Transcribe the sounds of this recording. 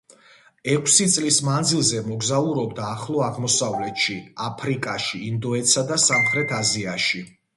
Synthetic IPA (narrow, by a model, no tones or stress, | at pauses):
ɛkʷʰsit̪sʼlismand̪zilˠzɛmɔɡzauɾɔbd̪aːχlˠɔaʁmɔsavlɛt̪ʃiapʰɾikʼaʃiːnd̪ɔɛt̪sad̪asamχɾɛt̪ʰaziaʃi